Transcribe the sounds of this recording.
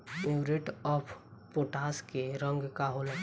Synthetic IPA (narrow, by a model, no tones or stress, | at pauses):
uɡɾeʈɔpʰpoʈaskeɾə̃ŋɡkaɦola